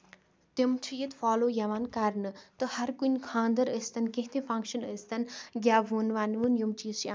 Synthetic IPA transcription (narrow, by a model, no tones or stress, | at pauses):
t̪emt͡ʃʰijɐt̪faːloːjɐʋaːnkɐɾnɨt̪ɨhɐɾkunʲkʰãːnd̪ɐɾəst̪ɐnkẽɦt̪ʰẽfɐ̃ŋkʃɐnəst̪ɐnɡʲjaːʋuːnʋaːnʋɨnjumt͡ʃiːzt͡ʃʰi